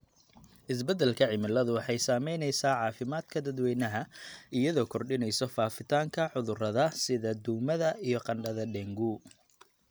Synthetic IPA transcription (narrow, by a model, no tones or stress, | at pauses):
ʔɪs̬bɐd̪ɛlkʰɐʕɪmɪlɐðʊwɑħɑjsaːmɛjnɛjsaːʕɑːfɪmaːd̪̥kʰɐd̪ɐd̪wɛjnɐɦɐɪjɐðɔːkʰɔrɖɪnɛjsɔfaːfɪt̪ʰaːŋkʰɐʕʊðʊrɐðɐsɪðɐd̪uːmɐðɐijɞqɑnɖɐðɐɖɛŋɡuː